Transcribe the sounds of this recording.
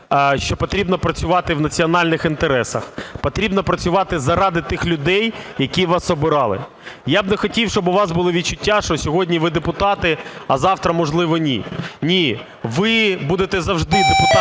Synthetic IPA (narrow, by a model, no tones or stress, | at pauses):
ʃt͡ʃɔpɔt̪ɾʲibnɐpɾɐt͡sʲʊʋɑt̪ɪwnɐt͡sʲiɔnɑlʲnɪxint̪eɾɛsɐ̰xpɔt̪ɾʲibnɐpɾɐt͡sʲʊʋɑt̪ɪzɐɾɑd̪ɪt̪ɪxlʲʊd̪ɛjjɐkʲiʋɑsɔbɪɾɑlˠɪ̰ | jabnɛxɔtʲiwʃt͡ʃɔbʊʋɑsbʊlˠɪʋʲit͡ʃʊtʲːaʃt͡ʃɔsʲɔɦɔdʲnʲiʋɪd̪epʊt̪ɑt̪ɪɐzɑwt̪ɾɐmɔʒlˠɪʋɔnʲinʲi | ʋɪbud̪et̪ɛzɐwʒd̪ɪd̪epʊt̪